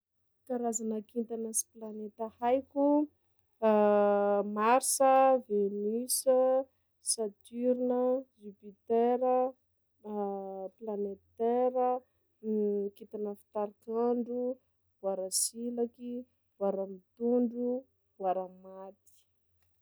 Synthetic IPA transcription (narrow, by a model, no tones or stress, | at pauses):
kaɾazanakint̪anəsi̥planet̪əhajkʲu | maɾsəvenysə | sat̪yɾinəzipit̪eɾə | planet̪eɾə | kit̪anəfi̥t̪aɾakaɳɖ͡ʐu | bwaɾəsilaki | bwaɾamit̪uɳɖ͡ʐu | bwaɾamat̪i̥